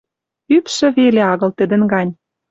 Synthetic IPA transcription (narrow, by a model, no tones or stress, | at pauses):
ypʃə̆βeleɑɣɤ̆lt̪ə̆d̪ə̆nɡɑnʲ